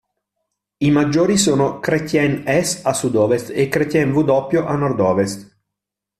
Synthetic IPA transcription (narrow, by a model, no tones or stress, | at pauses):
imad͡ʒːoːɾisoːnokɾet̪jɛnɛsasud̪ɔːvest̪ekːɾet̪jɛnvud̪ɔpːjoʔanɔrd̪ɔːvest̪